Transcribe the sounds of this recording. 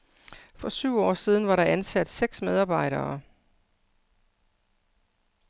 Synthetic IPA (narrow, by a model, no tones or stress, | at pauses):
fɒ̽syʊ̰ɒ̰ːsið̞ˠn̩ʋɑ̈ɾɑ̈ʔænsæd̥seɡ̥smeð̞ˠɑ̈ːb̥ɑ̈ɪ̰ɾɐː